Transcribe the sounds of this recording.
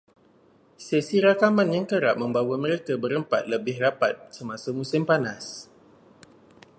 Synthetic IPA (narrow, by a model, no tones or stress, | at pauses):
sesiɾakamanjaŋkəɾap̚məmbawaməɾekabəɾəmpat̪̚ləbɪhrapat̪̚səmasamusɪmpanas